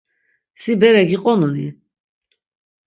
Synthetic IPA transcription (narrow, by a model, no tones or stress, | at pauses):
sibɛɾɛɡiqʼɔnuni